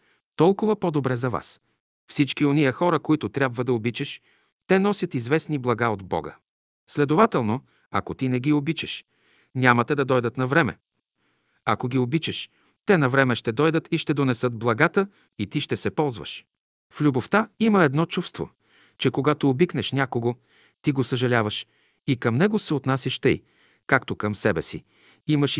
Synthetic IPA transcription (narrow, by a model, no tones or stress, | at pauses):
t̪ɔlˠkʊvɐpod̪obɾɛzɐva̰s | fsit͡ʃkionijɐxɔɾəkoit̪ʊt̪ɾʲabvəd̪ɐobit͡ʃɛʃ | t̪ɛnɔsʲət̪izvɛsniblˠɐɡaod̪bɔ̰ɡə̰ | slɛd̪ovat̪ɛlˠno | ɐ̰kot̪inɛɡiobit͡ʃɛʃ | nʲamɐt̪ɛd̪ɐd̪ɔjd̪ət̪nɐvɾɛmɛ̰ | ɐkoɡʲiobit͡ʃɛʃ | t̪ɛnɐvɾɛmɛʃt̪ɛd̪ɔjd̪ət̪iʃt̪ɛd̪onɛsɤd̪̚blˠɐɡat̪ə | it̪iʃt̪ɛsɛpɔlˠzvə̰ʃ | flʲuboft̪aiməɛd̪nɔt͡ʃufst̪vo̰ | t͡ʃɛkoɡat̪oːbiknɛʃnʲakoɡo | t̪iɡosəʒɐlʲavəʃ | ikɐmnɛɡosɛot̪nasʲɐʃt̪ə̰j | kakt̪okɐmsɛbɛsḭ | iməʃ